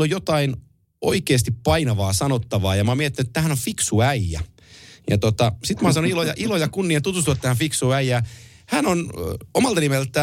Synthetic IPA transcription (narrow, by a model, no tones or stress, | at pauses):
lojot̪ɑin | o̰ikeːst̪ippɑinɑʋɑːsɑnot̪ːɑʋɑːjɑmɑːmiet̪ːinyt̪t̪ːæhænofiksuæiæ̰ | jɑ̰t̪ot̪ɑsit̪mɑːsɑnoilojɑʔilojɑkunːiɑt̪ut̪ust̪uʋɑt̪ːæhæfiksuæijæː | hænonomɑlt̪ɑnimelt̪ːˑæ